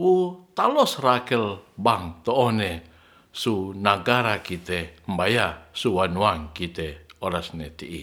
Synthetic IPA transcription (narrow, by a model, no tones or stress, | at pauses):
wut̪alɔsrakɛlbaŋt̪ɔːne | sunaɡaɾakit̪ɛmbajasuwanuaŋkit̪ɛoɾasnɛt̪iʔi